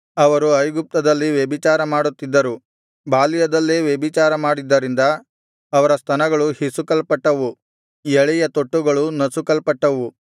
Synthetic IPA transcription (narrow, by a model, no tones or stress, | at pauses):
ɐʋɐɾuɐjɡup̚t̪ɐd̪ɐlːiʋjebit͡ʃaːɾɐmaːɽut̪ːid̪ːɐɾu | baːlijɐd̪ɐlːeʋjebit͡ʃaːɾɐmaːɽid̪ːɐɾind̪ɐː | ʋɐɾɐst̪ʰɐnɐɡɐɭuhisukɐlpɐʈːɐʋu | jɛɭɛjɐt̪oʈːuɡɐɭunɐsukɐlpɐʈːɐʋu